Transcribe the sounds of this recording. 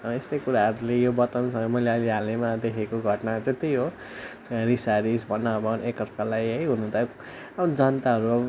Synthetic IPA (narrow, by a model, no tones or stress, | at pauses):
ʌest̪ʌjkuɾaɦʌɾulejobʌt̪ʌnsʰʌŋõmʌjleʌliɦalemad̪ekʰekoɡʱʌʈnat͡set̪ijɦo | t͡sɾisaɾisbʌnabʌnekʌrkalajɦʌjɦunːnt̪ʰa | ʌʌd͡zʌnt̪aɦʌɾu